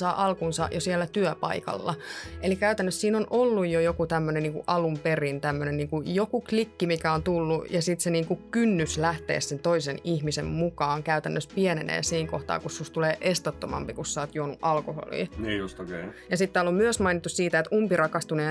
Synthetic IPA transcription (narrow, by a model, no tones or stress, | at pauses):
sɑːʔɑlkunsɑ̰ʔjosiɛlːæt̪yœpɑ̰ikɑ̰lːɑʔelikæyt̪ænːøssiːnonʔolːujjojokut̪æmːøneniːŋkuʔɑlumperint̪æmːønenniːŋkujokuklikːimikæont̪ulːujɑsit̪seniːŋkukynːyslæht̪ḛːsːent̪oisenihmisemmukɑːŋkæyt̪ænːøspiɛnḛnḛːsiːŋkoht̪ɑ̰ːkussust̪uleːʔest̪ot̪ːomɑ̰mpikussɑːt̪juonuʔɑlkoho̰lḭːnːjost̪kejɑsit̪ːɑlːommyøsmɑinit̪ːussiːt̪æet̪umpirɑkɑst̪uneː